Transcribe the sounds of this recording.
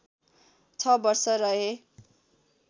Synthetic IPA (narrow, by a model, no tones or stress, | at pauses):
t͡sʰʌbʌrsʌɾʌɦe